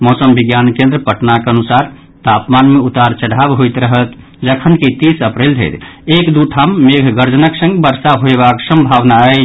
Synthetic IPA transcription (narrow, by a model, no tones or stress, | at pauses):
mɔsəmbiɡjankẽnd̪ɾəpəʈnakeənusaɾ | t̪apmanmeut̪aɾt͡ʃəɽabɦojt̪ɾəɦət̪ | d͡ʒəkʰənkit̪isəpɾeld͡ʒ̪ʱɛ̰jt̪ekd̪uʈʰamːeɡʱɡəɾd͡ʒənəksə̃ŋɡbəɾsaɦoebaksə̃mbʱaʋnaə